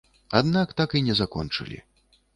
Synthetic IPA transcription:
ad̪nakt̪akinʲɛzakɔ̰nt͡ʂɨ̰lʲḭ

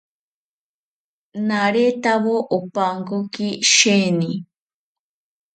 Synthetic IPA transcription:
naɾet̪aβoʔopaŋkokiʃeni

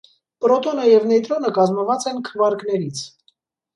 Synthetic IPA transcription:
pɾɔt̪ɔnəjɛvnɛt̪ɾɔnəkɑzməvɑt͡sɛnkʰəvɑɾknɛɾit͡sʰ

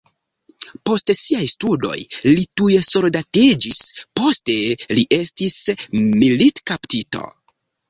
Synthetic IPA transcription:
po̞stsiajstudo̞̰jlitujeso̞ldatid͡ʒispo̞ste̞liʔe̞stismilitkaptito̞̰

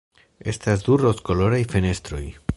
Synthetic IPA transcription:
e̞stasd̪uɾo̞sko̞lo̞ɾajfe̞ne̞st̪ɾo̞j

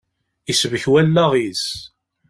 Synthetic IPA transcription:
isəvəçwælːæʁis

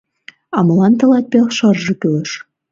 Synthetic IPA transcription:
ɑmɤ̆lɑnt̪ɤ̆lɑt̪̚pʲeχʃɤ̆rʒɤ̆kylɘ̆ʃ

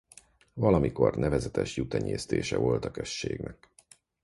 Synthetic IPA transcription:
vɒlɒmiko̞rnɛvɛzɛt̪ɛʃjut̪ɛɲeːst̪eːʃɛvo̞lt̪ɒkøʃːeːɡnɛk̚

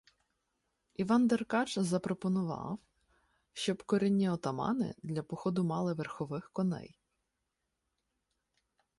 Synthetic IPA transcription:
iʋɑnd̪erkɑt͡ʃzɐpɾɔpɔnʊʋɑ̰w | ʃt͡ʃɔbkɔɾʲɛnʲːiɔt̪ɐmɑ̰nɪ̰d̪lʲɐpɔxɔd̪ʊmɑlˠɪʋerxɔʋɪxkɔnɛ̰j

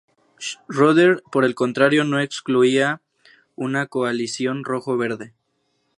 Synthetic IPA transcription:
roðeɾpo̞ɾe̞lko̞nt̪ɾaɾjo̞no̞e̞kskluia | unako̞alisjo̞nro̞xoβe̞ɾðe̞

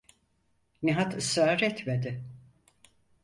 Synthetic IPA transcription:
niɦat̪ɯsaːɾɛt̪med̪ɪ

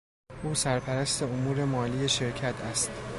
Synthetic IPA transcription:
ʔuːsæɾpʰæɾæst̪e̞omuːɾe̞mɒːliːje̞ʃeɾcʰæt̪ʰæst̪

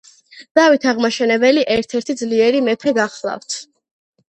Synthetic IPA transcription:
d̪̥avit̪ʰaʁmaʃɛnɛbɛliʔɛɾt̪ʰɛɾt̪ʰid̪zliɛɾimɛpʰɛɡaχlˠa̰ft̪ʰ

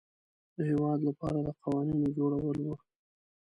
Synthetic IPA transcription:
d̪əhewɑd̪lapɑ̰ɾad̪əqɑwɑninod͡ʒoɽawəlwu

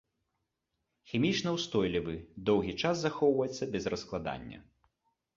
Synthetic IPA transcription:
xʲimʲit͡ʂnɐwst̪ɔjlʲivɨd̪ɔwɣʲit͡ʂaszaxɔwvɐjɛt̪sːɐbʲɛzrɐsklˠad̪a̰nʲːɐ̰

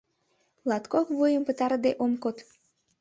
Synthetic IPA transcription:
lɑt̪kokβujəmpə̆t̪ɑɾəd̪eʔomkot̪

